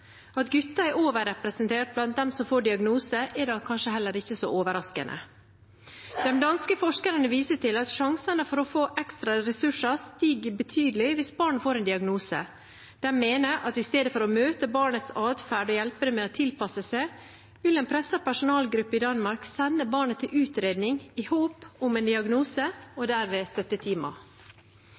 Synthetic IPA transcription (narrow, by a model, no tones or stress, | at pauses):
ɑt̪ɡʉt̪ːɑɛɾoːʋəɾɛpɾɛsənt̪ʰeːʈ̚blɑnt̪̚d̪ɛmsɔmfoːɖɪɑɡnuːsəʔɛɖɑkʰɑnʂəɦɛlːəɾɪçːəsɔ̰ʔoːʋəɾɑskə̰nʔə̰ | d̪̥ɛmd̪ɑnskəfɔʂkəɾənəʋiːsəʈɪlɑt̪ʃɑŋsənəfɔɾɔfoːʔɛkst̪ɾɑɾɛsʉʂɑst̪iːɡbət̪ʰyːd̪əlɪʋɪsbɑːɳfoːɾɛɪnd̪ɪɑɡnuːsə̰ | d̪̥ɛmeːnəʔɑt̪ɪst̪eːd̪əfɔɾɔmøːt̪əbɑːɳət̪sɑːd̪fæːɖɔjɛlpəɾəmeːoːt̪ʰɪlpɑsəsæɪ | ʋɪlɛeːnpʰɾɛsəpæʂʊnɑːlɡɾʉpːəɪd̪ɑnmɑɾksɛnːəbɑːɳət̪ʰɪlʔʉːt̪ɾeːd̪nɪŋɪhoːpʊmɛːnd̪ɪɑɡnuːsəɔd̪æːɾʋeːst̪œt̪ːət̪ʰiːmɑ̰